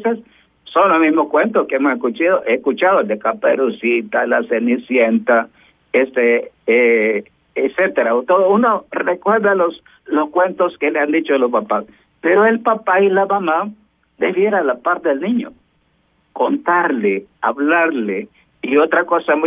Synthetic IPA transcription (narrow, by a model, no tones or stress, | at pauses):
ses | sonlomizmoskwent̪oskeemoseskut͡ʃiðoʔeskut͡ʃaðold̪ekapḛɾusit̪alasenisjent̪a | est̪e | set̪eɾaot̪oðounorekweɾðalos | loskwe̞nt̪oskeleand̪it͡ʃolospapas | peɾoelpapailamama | d̪eβjeɾalapaɾt̪eðelnĩɲo̰ | kont̪aɾlea̰βlaɾle | iot̪ɾakosam